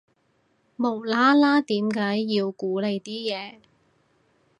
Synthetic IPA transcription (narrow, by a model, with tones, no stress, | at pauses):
mo˨˩wlaː˥laː˥t̪iː˨˥mkaː˨˥jːiː˧wkuː˨˥le˨˧jt̪iː˥jɛː˨˧